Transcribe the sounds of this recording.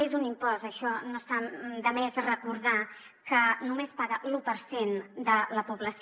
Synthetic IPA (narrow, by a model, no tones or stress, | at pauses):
ezunimpɔzəʃɔnost̪ad̪əmɛzrəkuɾða | kənumespaɣəlupəɾsend̪ələpuβləs